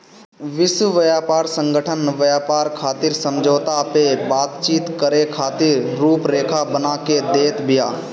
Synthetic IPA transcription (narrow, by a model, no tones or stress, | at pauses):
ʋɪswəʋəjaːpaːɾsə̃ŋɡʱəʈʰənʋəjaːpaːɾkʰaːt̪ɪɾsə̃md͡ʒʱoːt̪apebaːt̪t͡ʃiːt̪kəɾekʰaːt̪ɪɾːuːpɾeːkʰabənaked̪eːt̪bɪjaː